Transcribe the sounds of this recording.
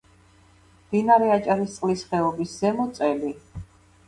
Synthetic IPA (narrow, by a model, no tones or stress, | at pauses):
md̪̥inaɾɛat͡ʃʼaɾist̪sʼlisχɛɔbisz̥ɛmɔt̪sʼɛli